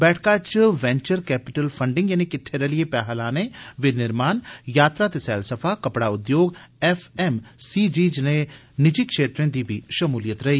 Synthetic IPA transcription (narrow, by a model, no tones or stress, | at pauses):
bɛːʈʰkaːt͡ʃʋɛ̃ːɲt͡ʃəɾkɛːpɪʈəlpʰɐ̃ɳɖɪ̃ŋɡjɐnikɪt̪ʰːeɾeliepɛːɦaːlaːneʋɪnɪɾmaːnjaːt̪ɾat̪esɛːlsəfʰakɐpɽaʊd̪joːɡɛfɛmsiːd͡ʒiːd͡ʒne | nɪd͡ʒikʃeːt̪ɾẽd̪ibʱiʃɐmuːlijət̪ɾɐɦiː